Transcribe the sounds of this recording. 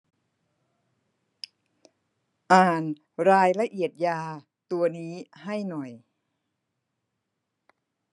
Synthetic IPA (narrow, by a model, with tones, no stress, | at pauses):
ʔaː˨˩n | ɾaː˧jla˧ʔi˨˩ət̪̚jaː˧ | t̪u˧ɐniː˦˥ha˥˩jnɔ˨˩j